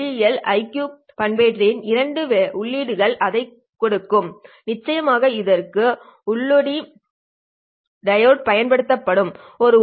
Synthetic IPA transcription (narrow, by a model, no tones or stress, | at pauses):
ijɛlɐɪkjuː | pɐnbeːʈrɪnɪɾɐɳɖɯʋʊɭːiːɽɯɣɐɭʔɐðɐɪ | kːɔɽɯkːɯmnɪt͡ʃːɐjɐmaːɣɐɪðɐrkɯ | ʊɭːɔɽi | ɖɐjoːʈ̚pɐjɐnpɐɽɯt̪ːɐpːɐɽɯm | ɔɾɯ